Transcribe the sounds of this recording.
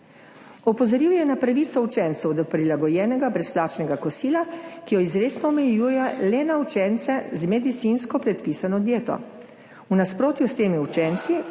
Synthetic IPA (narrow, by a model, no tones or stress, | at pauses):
ɔpɔzɔɾiwjɛnapɾaʋiːt̪sɔut͡ʃɛnt̪sɛwd̪ɔpɾilaɡɔjɛːnɛɡabɾɛsplaːt͡ʃnɛɡakɔsiːlakijɔizɾeːsnɔɔmɛjuːjɛlɛnaut͡ʃɛnt̪sɛzmɛd̪it̪sinskɔpɾɛt̪piːsanɔd̪jeːt̪ɔ̰ | unaspɾoːt̪just̪eːmiut͡ʃɛnt̪si